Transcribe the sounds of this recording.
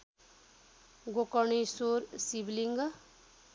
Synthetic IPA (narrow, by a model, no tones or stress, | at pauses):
ɡokɔɳisoɾsibliŋɡ